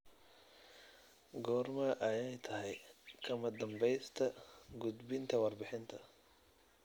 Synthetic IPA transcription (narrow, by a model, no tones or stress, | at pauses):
ɡɔːrmɐʔɐjɛjt̪ʰɐɦɛjkʰɐmɐd̪ɐmbɛjst̪ʰɐɡud̪bɪnt̪ʰɐwɑrbɪħɪnt̪ʰɐ